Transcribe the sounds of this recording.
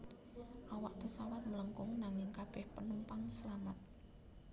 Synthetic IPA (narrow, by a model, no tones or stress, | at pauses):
ʔawaʔpəsawat̪̚mələŋkʊŋnaŋɪŋkab̥ɛhpənəmpaŋsəlamat̪̚